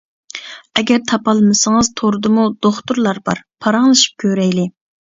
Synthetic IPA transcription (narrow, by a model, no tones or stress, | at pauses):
ɛɡʲɛɾt̪ʰɑpɑlˠmɨsɨŋɨzt̪ʰoɾɨd̪ɨmud̪̥oχt̪uɾlˠɑɾbɑ̰ɾpʰɑɾɑŋlˠɨʃi̥p̚kʲʰøɾɛjlɪ